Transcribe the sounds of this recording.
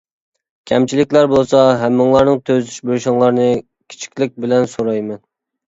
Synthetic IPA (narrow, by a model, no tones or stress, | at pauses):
kʲʰɛmt͡ʃʰilɪkʲlæɾbolˠsɑɦɛmːɨŋlˠɑɾnɨŋt̪ʰøzlyʃbølʃɪŋlˠɑɾnɨ | kʲʰi̥t͡ʃʰi̥kʲlɪk̚ʲbɪlɛnsoɾɑjmɛn